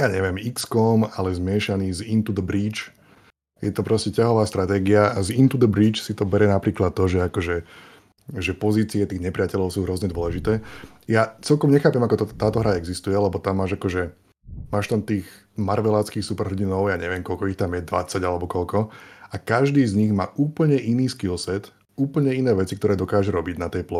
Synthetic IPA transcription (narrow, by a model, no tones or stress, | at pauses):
jaːɲɛʋɪɛmikskɔːmalɛzmɪɛʃaniːzint̪ud̪bɾiːt͡ʃ | jɛt̪ɔpɾɔscɛcaɦɔʋaːst̪ɾat̪ɛːɡiaazint̪ud̪ɛbɾiːt͡ʃsit̪ɔbɛɾɛnapɾiːklat̪̚ːɔʒɛakɔʒɛ | ʒɛpɔziːt͡siɛt̪iːɣɲɛpɾɪacɛʎɔʊsuːɦɾwɔzɲɛd̪ʊɔlɛʒit̪ɛːjat͡sɛlkɔmɲɛxaːpɛmakɔt̪t̪aːt̪ɔɦɾaɛɡzist̪ujɛlɛbɔt̪amːaːʒakɔʒɛ | maːʃt̪amt̪iːɣ | maɾʋɛlaːt͡skiːxsupɛɾɦɟinɔʊjaːɲɛʋɪɛmkɔlkɔixt̪amjɛd̪ʋa̰t͡sːaɟalɛbɔkɔlkɔakaʒd̪iːzɲiɣmaːʔuːpl̩ɲɛʔiniːskilˠsɛt̪ | uːpl̩ɲɛinɛːʋɛt͡sikt̪ɔɾɛːd̪ɔkaːʒɛɾɔbiɟnat̪ɛjplɔ